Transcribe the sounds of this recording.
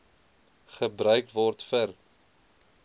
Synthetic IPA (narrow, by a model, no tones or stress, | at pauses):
χəbɾœɥkvɔrtfər